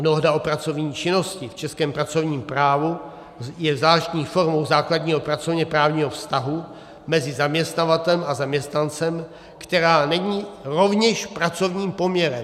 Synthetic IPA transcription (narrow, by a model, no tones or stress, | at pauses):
noɦdao̞pɾat͡so̞vɲiːt͡ʃɪno̞scɪft͡ʃɛskɛːmpɾat͡so̞vɲiːmpɾaːvu | jɛvzlaːʃt̪ɲiːfo̞ɾmowzaːkladɲiːɦo̞pɾat͡sovɲɛpɾaːvɲiːɦofst̪aɦu | mɛzɪzamɲɛst̪navat̪ɛlɛmazamɲɛst̪nant͡sɛm | kt̪ɛɾaːnɛɲiːɾo̞vɲɛʃpɾat͡so̞vɲiːmpo̞mɲɛɾɛ